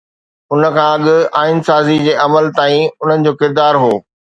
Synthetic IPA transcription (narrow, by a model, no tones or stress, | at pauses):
ʊnə̆kʰãːɐɠɪaːɪnsaːzid͡ʑeːʔɐməlt̪aːĩʊn̤ənɪ̆d͡ʑoːkɪɾd̪aːɾɦoː